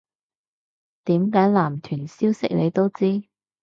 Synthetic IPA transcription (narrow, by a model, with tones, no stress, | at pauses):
t̪iː˨˥mkaː˨˥jlaː˨˩mt̪ʰyː˨˩nsiː˥wsɪ˥k̚le˨˧jt̪o˥wt͡siː˥